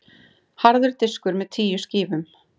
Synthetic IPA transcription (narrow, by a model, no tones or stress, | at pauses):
haɾðʏɾt̪ɪskʏɾmɛðt̪ʰiːjʏ̥sciːvʏm